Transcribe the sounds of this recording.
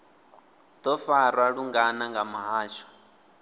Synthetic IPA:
d̪̥ɔfaɾwaɺuŋɡanaŋɡamaɦaːʃɔ̥

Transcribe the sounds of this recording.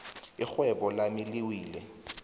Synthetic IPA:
ixwɛɓɔlamiliwiːlɛ

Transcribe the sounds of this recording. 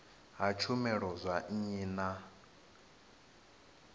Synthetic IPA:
ɦat͡ʃʰumɛɺɔzʷaiːna

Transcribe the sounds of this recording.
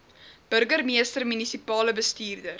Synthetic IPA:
b̥əɾɡərmiəstərmynisipɑːləbəstiːrdər

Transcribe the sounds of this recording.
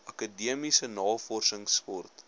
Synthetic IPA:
ʔɐkədiəmisənɑːfɔrsəŋspɔrt

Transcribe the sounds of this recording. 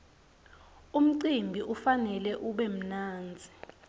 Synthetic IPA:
um̩ǀimbʱiʔufanɛlɛʔuɓɛm̩naːnd͡zʱi

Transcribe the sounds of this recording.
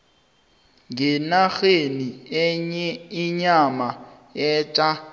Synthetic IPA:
ŋɡɛnaɣeniɛɲɛiɲama | ɛːt͡ʃʼa

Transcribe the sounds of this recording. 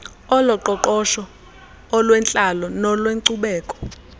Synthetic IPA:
ɔlɔǃɔǃɔʃɔː | lwɛnt͡ɬʼalɔnɔlweŋǀuɓɛːkʼɔ̥

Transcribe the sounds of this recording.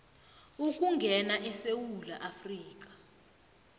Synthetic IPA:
uk̬ʼuŋɡʱɛnaʔɛsewulaʔafriːk̬ḁ

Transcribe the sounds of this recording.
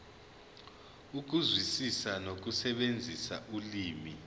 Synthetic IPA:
uk̬uzwisisanok̬usɛɓend͡zʱisaʔuliːmi

